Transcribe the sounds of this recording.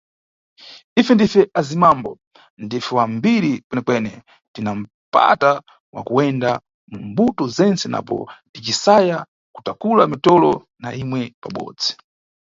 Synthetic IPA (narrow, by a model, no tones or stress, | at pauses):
ifɛndifɛʔazimambɔ | ndifɛwambiɾikwɛnɛkwɛnɛ | tinam̩ | pa̰ta | wa̰kuɛnda | mum̩butɔzɛnt͡sɛnʔa̰pɔ̰tit͡ʃisaja | ku̥takulamitɔlɔ | naimwɛpaɓɔ̰ːd͡zi